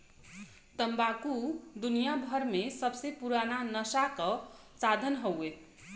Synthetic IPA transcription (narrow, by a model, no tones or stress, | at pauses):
t̪ʌmbakud̪unijabʱʌɾmesʌbsepuɾananʌsakʌ | t͡sad̪ʱʌnɦʌwe